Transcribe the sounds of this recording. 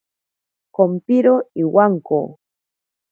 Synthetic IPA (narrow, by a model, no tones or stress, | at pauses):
kompiɾoiwaŋko̰